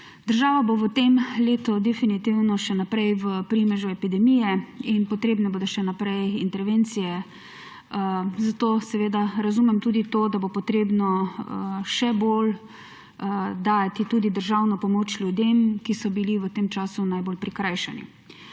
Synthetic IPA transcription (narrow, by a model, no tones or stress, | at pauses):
d̪̥əɾʒaːʋaboʋət̪emleːt̪ɔd̪ɛfinit̪iwnɔʃɛnapɾɛjʋəpɾimɛʒuɛpid̪ɛmiːjɛinpɔt̪ɾeːbnɛboːd̪ɔʃɛnapɾɛjint̪ɛɾʋent̪sijɛ | zat̪oːsɛʋeːd̪aɾazumɛmt̪uːd̪it̪oːd̪abopɔt̪ɾeːbnɔ | ʃɛbol | d̪aːjat̪it̪uːd̪id̪əɾʒawnɔpɔmoːt͡ʃlʲjud̪emkisɔbiliʋət̪emt͡ʃaːsunajbolpɾikɾajʃɛnḭ